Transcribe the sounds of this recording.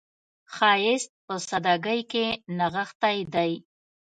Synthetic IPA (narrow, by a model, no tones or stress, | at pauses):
xɑjɪst̪̚pəsad̪ɑɡəjkenaɣaxt̪ajd̪aj